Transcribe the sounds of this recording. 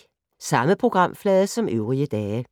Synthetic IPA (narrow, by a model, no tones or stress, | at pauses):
sɑ̈məpʰʁoɡ̥ʁɑ̈m̰flɛːðˠsɒ̽mʔøʊʁiəd̥ɛːə